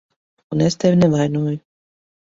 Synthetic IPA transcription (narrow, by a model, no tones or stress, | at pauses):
unest̪ɛvʲnɛvajnuɔju